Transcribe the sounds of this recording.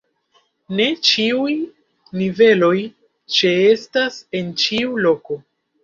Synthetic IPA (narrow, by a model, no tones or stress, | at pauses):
ne̞t͡ʃiuj | nive̞lo̞j | t͡ʃe̞e̞stase̞nt͡ʃiulo̞ko̞